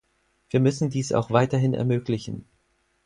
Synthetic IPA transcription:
v̥iːɐmʏsn̩diːsʔa̰ʊxv̥aɪtɐɦɪnɛ̰ɐmøːklɪçn̩

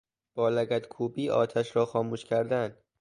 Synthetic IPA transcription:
b̥ɒːlæɡæd̪kʰuːbiːʔɒ̰ːt̪ʰæʃɾɒːxɒːmuːʃcʰæɾd̪ænd̪̥

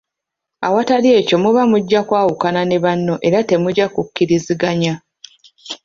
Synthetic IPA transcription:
a̰watalje̞ːco̞muβamuɟːakwaːwukanane̞βanːo̞ʔe̞ɾate̞muɟakukːiɾiziɡaɲa

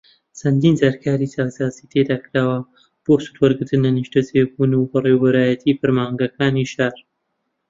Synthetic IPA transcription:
t͡sʰɐnd̪iːnzaɾkʰaːɾisaːwsaːziːt̪ʰed̪aːkɾaːwɐ | b̥oːsu̥t̪wɐɾɡɨɾt̪ɨnɐniʃtɐzeːbunubɐreːwbɐɾaːjɐt̪ʰifɨɾmaːŋɡɐkaːniːʃaːɾ

